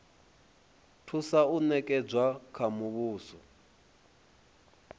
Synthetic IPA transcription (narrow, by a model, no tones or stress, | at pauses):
tʰusaunɛkʼɛd͡zwakʰamuβuːsɔ